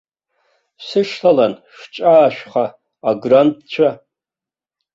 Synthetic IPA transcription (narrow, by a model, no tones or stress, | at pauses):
sɨʂtʰalanʂt͡ʃʼaːʃᶣʷχaː | ɡrantʰʼt͡ɕʷʰa